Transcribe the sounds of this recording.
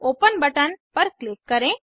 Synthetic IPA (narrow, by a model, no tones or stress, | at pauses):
oːpənbəʈənpəɾklɪkːəɾẽ